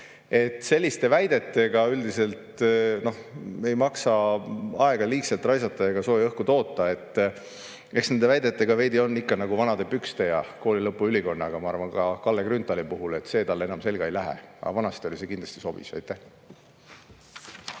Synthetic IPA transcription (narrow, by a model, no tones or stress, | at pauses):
e̞t̪ːˑse̞lʲːist̪e̞væjd̪e̞t̪ˑːe̞ɡ̥ɑyld̪ise̞lt̪no̞he̞jmɑksɑɑe̞ɡ̥ɑliːkselt̪ːˑrɑjsɑt̪ːˑɑeɡ̥ɑso̞ːjɑɤhkut̪o̞ːt̪ˑːɑe̞t̪ˑː | e̞ksne̞nd̪e̞væjd̪̥e̞t̪ːˑe̞ɡ̥ɑve̞jd̪io̞nːikːɑnɑɡ̥uvɑnɑd̪e̞pykst̪e̞jɑko̞ːlilɤpːˑuyliko̞nːɑɡ̥ɑmɑɑrvɑnkɑkɑlːekrynt̪ːˑɑlipuɦule̞t̪ːse̞ːt̪ɑlːe̞nɑmse̞lɡ̥ɑe̞jlæɦḛɑ̰vɑnɑst̪o̞lise̞kind̪lɑ̥st̪iso̞b̥isæ̰jt̪ːˑeh